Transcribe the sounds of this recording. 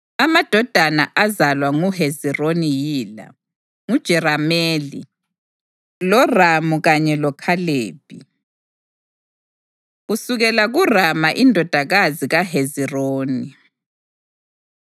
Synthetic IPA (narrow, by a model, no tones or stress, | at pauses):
amad̥ʱɔd̥ʱanaʔazalwaŋuhezironijiːla̰ | ŋud̥ʒ̥ʱɛɾameːlḭ | lɔramuɣaɲɛlɔkʰaleːb̥ʱʼi | ɣusuɣɛlaɣuramaʔindʱɔd̥ʱaɣaziɣaɦeziroːni